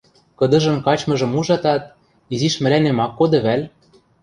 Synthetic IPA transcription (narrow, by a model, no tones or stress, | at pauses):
kɤ̆d̪ɤ̆ʒɤ̆mkɑt͡ɕmɤ̆ʒɤ̆muʒɑt̪ɑt̪̚ | iziʃmɘ̆lænemɑkːod̪ɤ̆βælʲ